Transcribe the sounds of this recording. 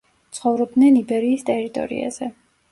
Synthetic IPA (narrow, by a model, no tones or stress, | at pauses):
t̪sʰχɔvɾɔb̚d̪nɛnibɛɾiːst̪ʼɛɾit̪ʼɔ̰ɾḭa̰z̥ɛ